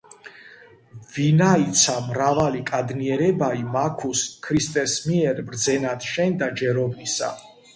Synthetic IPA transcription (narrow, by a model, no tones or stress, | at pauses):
vinait̪sʰamɾavalikʼad̪niɛɾɛbaimakʰuskʰɾist̪ʼɛsmiɛɾbɾd̪zɛnat̪ʃɛnd̪ad͡ʒɛɾɔbnisa̰